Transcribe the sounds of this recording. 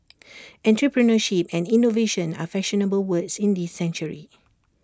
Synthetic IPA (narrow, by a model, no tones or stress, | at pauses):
ɛ̃ntɹəpɹənəʃip̚ɛ̃nĩnoveʃə̃na̰fɛsʃənəbəlwəksĩndisɛ̃nt͡ʃuɹḭ